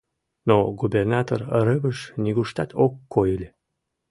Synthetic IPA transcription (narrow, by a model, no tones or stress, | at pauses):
noɡubʲernɑt̪orəɾəβəʃnʲiɣuʃt̪ɑt̪ʰokːojəlʲe